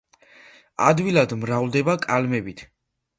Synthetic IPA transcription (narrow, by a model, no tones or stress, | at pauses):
a̰d̪wilad̪mɾavlˠd̪ɛbakʼalmɛbit̪ʰ